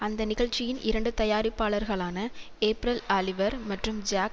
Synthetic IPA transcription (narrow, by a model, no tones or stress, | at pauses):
ɐnd̪ɐnɪɣɐɭt͡ʃːɪjɪnʔɪɾɐɳɖɯt̪ɐjaːɾɪpːaːɭɐɾɣɐɭaːnɐ | eːpɪɾɐlaːlɪʋɐɾmɐʈrɯmd͡ʒaːk